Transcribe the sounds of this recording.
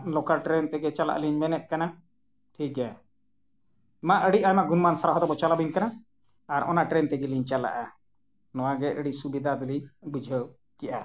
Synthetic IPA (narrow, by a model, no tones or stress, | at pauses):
lɔkaɾʈɾɛnt̪ɛɡɛt͡ʃala̰ʔliɲmɛnɛt̪̚kana | ʈʰikɛ | maʔəɽiʔajmaɡunmansaɾaɦɔd̪ɔbɔt͡ʃalabiɲkana | aɾɔ̰naʈɾɛnt̪ɛɡɛliɲt͡ʃala̰ʔa | nɔwaɡɛʔəɽisubid̪ʱad̪ulibud͡ʒʱə | kɛʔa